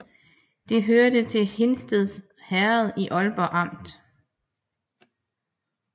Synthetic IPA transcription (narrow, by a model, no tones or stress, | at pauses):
d̥e̝ɦøɐd̥ət͡sʰe̝lhe̝nsd̥əðˠs | hæɐð̩ˠiʔɒ̽lb̥ɒʔɑ̈m̰d̥